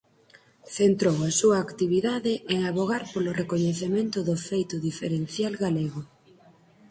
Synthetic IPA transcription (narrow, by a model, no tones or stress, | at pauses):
θent̪ɾowasuɐːkt̪iβiðaðɪʔeŋaβoɣ̞aɾpolʊrekoɲeθemẽnt̪ʊðʊfejt̪ʊðifeɾen̟θjalɣaleɣʊ